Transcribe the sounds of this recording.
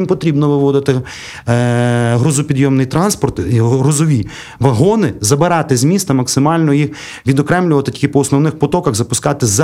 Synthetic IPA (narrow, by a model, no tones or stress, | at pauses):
impɔt̪ɾʲibnɔʋɪʋɔd̪ɪt̪ɪ | ɦɾɔzʊpʲid̪jɔmnɪjt̪ɾɑnspɔrt̪iɦɾɔzɔʋʲi | ʋɐɦɔnɪzɐbɪɾɑt̪ɪzʲmʲist̪ɐmɐksɪmɑlʲnɔjix | ʋʲid̪ɔkɾɛmlʲʊʋɐt̪ɪtʲi̥kɪpɔɔsnɔwnɪxpɔt̪ɔkɐɣzɐpʊskɑt̪ɪz